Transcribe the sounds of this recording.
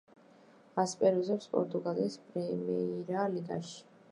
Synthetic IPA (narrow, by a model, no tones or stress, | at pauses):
aspʼɛɾuzɛpspʼɔ̰ɾt̪ʼuɡaliːspʼɾɛmiɾaliɡʼa̰ʃi̥